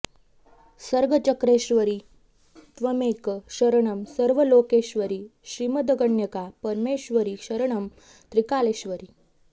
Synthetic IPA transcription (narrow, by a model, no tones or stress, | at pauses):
səɾɡət͡ɕəkɾeɕʋəɾiː | t̪ʋəmekɕəɾɐɳ̃əmsəɾʋəloːkeɕʋəɾiːɕɾiməd̪əɡəɳjəkapəɾmeːɕʋəɾiːɕəɾɳəm | t̪ɾikaleɕʋəɾiː